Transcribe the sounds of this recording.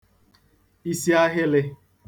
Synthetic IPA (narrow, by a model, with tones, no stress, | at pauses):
i˦si˦a˦ɦɪ˦lɪ˦